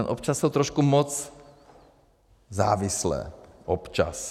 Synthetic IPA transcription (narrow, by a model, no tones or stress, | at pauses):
nʔɔpt͡ʃasːɔʊt̪ɾɔʃkumɔt͡s | za̰ːʋislɛ̰ː | ʔɔpt͡ʃa̰s